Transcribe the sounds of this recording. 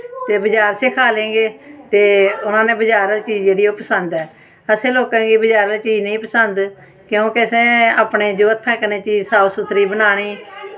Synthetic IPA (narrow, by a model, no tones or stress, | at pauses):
t̪eːbəd͡ʒaːɾsekʰaːlẽːɡeːt̪eːʊnãːnẽːbəd͡ʒaːɾəlt͡ʃiːd͡ʒd͡ʒeːɽiːoːpəsənd̪ɛː | əsẽːloːkãːɡiːbəd͡ʒaːɾəlt͡ʃiːd͡ʒnəĩːpəsənd̪ | kjõːkɪəsẽːaːpɳeːd͡ʒoːət̪ʰːãːkənẽːt͡ʃiːd͡ʒsaːʋsʊt̪ʰːɾiːbənaːɽ̃iː